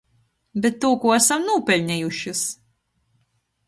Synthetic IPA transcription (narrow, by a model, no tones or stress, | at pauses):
bʲɛt̪ːoːkuasɐmnuːpʲɛlʲnʲɛjuʃɪs